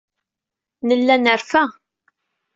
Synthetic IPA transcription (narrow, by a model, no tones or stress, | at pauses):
nəlːænəɾfæ